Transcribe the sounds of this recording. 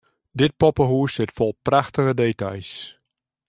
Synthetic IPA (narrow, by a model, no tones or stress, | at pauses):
dɪt̚pɔpəɦuəsɪtfɔlˠpraxtəɣədeːta̰js